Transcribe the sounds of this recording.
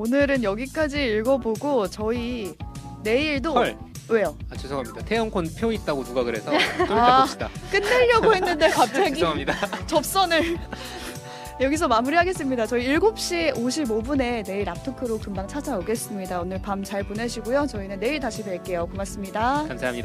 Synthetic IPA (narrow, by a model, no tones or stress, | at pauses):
onɯɾɯnjʌɡik͈ad͡ʑiːiɭɡʌboɡot͡ɕʌi | ne̞iɭdoɭwe̞joat͡ɕosʰʌkʰamɲidatʰejʌŋkʰonpʰjoit̚t͈aɡonuɡaɡɯɾe̞sʰʌt͈oai̥d͈ak͈ɯnːe̞ʎːʌɡoɦe̞nnːɯnde̞kapʰeɡiamɲidat͡ɕʌp̚s͈ʌnɯɭ | jʌɡis̬ʰʌmamuɾiɦaɡe̞s͈ɯmɲidat͡ɕʌiːɭɡop̚ɕ͈ioɕ̬ʰibobune̞ne̞iɭap̚tʰokʰɯɾokɯmbaŋt͡ɕʰad͡ʑaoɡe̞s͈ɯmɲidaonɯɭpamt͡ɕaɭpone̞ɕʰiɡojot͡ɕʌinɯnːe̞iɭtaɕʰipe̞ɭk͈e̞jokomas͈ɯmɲidakamsʰeamɲida